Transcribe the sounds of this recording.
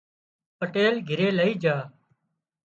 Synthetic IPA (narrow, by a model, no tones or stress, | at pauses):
pəʈeːlɡʱɪɾeːləiːd͡ʒaː